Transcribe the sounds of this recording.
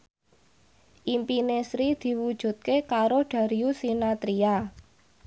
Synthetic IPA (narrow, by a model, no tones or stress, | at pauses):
ʔimpinesɾid̪̥i̤wud̥ʒ̥ṳt̪̚kekaɾoɖ̥ä̤ɾiusinat̪ɾia